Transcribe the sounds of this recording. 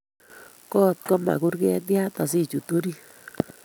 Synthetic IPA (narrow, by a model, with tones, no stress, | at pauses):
kɔ˦t̪̚kɔ˦ma̰˨ku˦ɾkɛ˦tja˦ta˨si˦t͡ʃu˨to˦ɾi˦